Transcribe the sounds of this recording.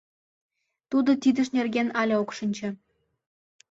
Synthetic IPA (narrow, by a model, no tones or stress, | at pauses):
t̪ud̪ɤ̆t̪ʲid̪ɘ̆ʃnʲerɡʲenɑlʲɑokʂɤ̆nʲt͡ɕɘ̆